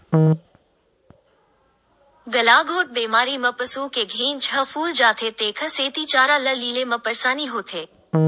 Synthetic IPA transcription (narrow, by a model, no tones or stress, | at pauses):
ɡəlaɡʱoːʈ̚beːmaːɾimɐ̃pəsũkeɡʱẽːnd͡ʒʱəfuːld͡ʒaːt̪ʰet̪eːkʰəseːt̪it͡ʃaːɾaləlilemãpəɾsaːniɦoːt̪ʰeː